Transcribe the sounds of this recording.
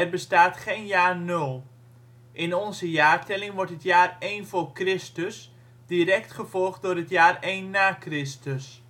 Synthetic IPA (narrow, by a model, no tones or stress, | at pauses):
ɛrbəstaːtχejnjaːrnølˠ | ʔɪnɔnzəjaːrtɛlɪŋʋɔɹtɦətjaːrejnvoːrkrɪstəs | d̥irɛktχəvɔlˠχt̚dʊːrɦətjaːrejnːaːkrɪstəs